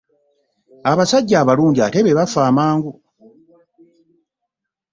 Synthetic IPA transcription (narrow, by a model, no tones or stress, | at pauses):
aβasaɟːaːβaluːɲɟiate̞βe̞βafaːmaːŋɡu